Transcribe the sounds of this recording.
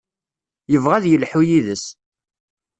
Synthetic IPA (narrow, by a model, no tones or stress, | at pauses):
jəvʁæðjəlħujiðəs